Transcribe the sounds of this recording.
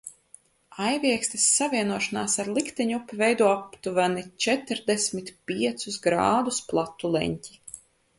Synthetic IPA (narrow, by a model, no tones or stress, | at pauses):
ajvʲiɛkst̪ɛsːavʲiɛnuɔʃanaːsaɾlˠikt̪ɛɲupːivɛjd̪uɔapt̪uvanit͡ʃɛt̪ɾd̪ɛsʲmit̪pʲiɛt̪susɡɾa̰ːd̪usplˠat̪ːulˠɛ̰ɲcʲi̥